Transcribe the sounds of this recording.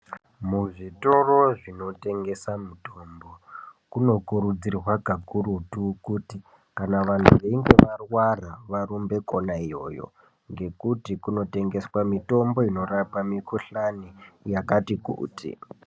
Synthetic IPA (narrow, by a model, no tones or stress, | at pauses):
muʐito̞ro̞ʐino̞te̞ŋɡe̞samuto̞mbo̞kuno̞kuɾud͡zirrwaɡʱaɡʱuɾutukuti | kanaʋan̤uʋeiŋɡeʋarwaraʋaɾumbe̞ko̞naijo̞̰ːjo̞̰ | ŋɡe̞kutikuno̞te̞ŋɡe̞swamito̞mbo̞ino̞rapamikuɬanijakatikṵːtḭ